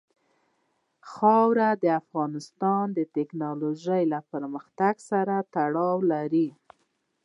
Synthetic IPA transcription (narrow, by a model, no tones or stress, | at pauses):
xɑwɾad̪əafɣɑnɪst̪ɑnd̪ət̪eknɑloʒəjlapəɾməxt̪aɡsaɾat̪aɽɑwlaɾi